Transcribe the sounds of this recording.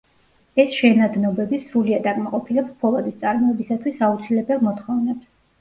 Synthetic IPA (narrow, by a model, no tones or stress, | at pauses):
ɛsʃɛnad̪nɔbɛbisɾuliad̪akʼmaqʼɔpʰilɛpspʰɔlˠɔd̪ist̪sʼaɾmɔɛbisat̪ʰwisaut̪sʰilɛbɛlˠmɔt̪χɔvnɛps